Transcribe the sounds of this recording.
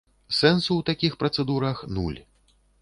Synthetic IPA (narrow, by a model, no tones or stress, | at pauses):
sɛnsuwt̪akʲixpɾɐt̪sɛd̪uɾɐxnṵlʲ